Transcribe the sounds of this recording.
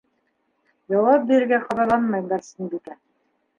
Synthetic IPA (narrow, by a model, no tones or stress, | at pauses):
jɑwɑp̚biɾɘ̆ɾɡæqɑðɑlˠɑnmɑjɡɑɾsinbik̪æ